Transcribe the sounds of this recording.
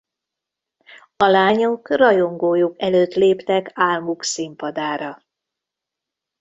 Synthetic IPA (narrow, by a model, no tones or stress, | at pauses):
ɒlaːɲokrɒjo̞ŋɡoːjukɛløːt̪leːpt̪ɛkaːlmuksimpɒd̪aːɾɒ